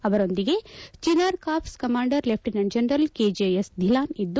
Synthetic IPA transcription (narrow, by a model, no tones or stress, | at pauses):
ɐʋɐɾo̞nd̪iɡe̞t͡ʃinaːɾkaːpʰskɐmaːɳɖɐɾlep̚ʰʈinɐɳd͡ʒɐnɾɐlkeːd͡ʒejesd̪ʱilaːnid̪ːu